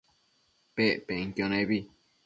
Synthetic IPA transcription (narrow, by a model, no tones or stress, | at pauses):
peʔpeŋkjonẽβi